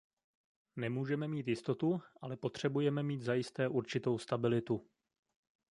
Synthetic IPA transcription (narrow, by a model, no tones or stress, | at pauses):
nɛmuːʒɛmɛmiːt̪jɪst̪o̞t̪uʔalɛpo̞t̪r̝̥ɛbujɛmɛmiːd̪zajɪst̪ɛːʔuɾt͡ʃɪt̪o̞wst̪abɪlɪt̪u